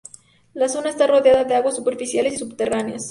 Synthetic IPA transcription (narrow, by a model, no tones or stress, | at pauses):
laso̞naest̪aro̞ðeaðaðeaɣwasːupe̞ɾfisjale̞sisubt̪eraneas